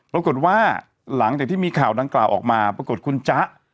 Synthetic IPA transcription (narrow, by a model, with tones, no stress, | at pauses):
pɾa˧ko˨˩t̪̚waː˥˩ | la˩˦ŋt͡ɕaː˨˩k̚t̪iː˥˩miː˧kʰaː˨˩wda˧ŋklaː˨˩wʔɔ̰ː˨˩k̚maː˧pɾa˧ko˨˩t̪̚kʰu˧nt͡ɕa˦˥ʔ